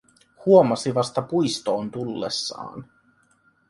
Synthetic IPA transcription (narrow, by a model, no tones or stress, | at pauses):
huomɑsiʋɑst̪ɑpujst̪o̞ːnt̪ulːḛsːɑ̰ːn